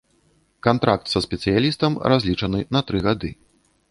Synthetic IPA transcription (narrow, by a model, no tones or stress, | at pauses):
kant̪ɾak̚t̪sɐsʲpʲɛt̪sɨjalʲist̪ɐmrʔazʲlʲit͡ʂɐnɨnɐt̪ɾɨɣad̪ɨ